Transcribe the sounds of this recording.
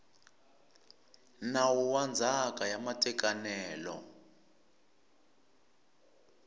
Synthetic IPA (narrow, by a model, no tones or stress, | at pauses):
nawuwand͡zʱakʼajamatʼɛkʼanɛːlɔ̰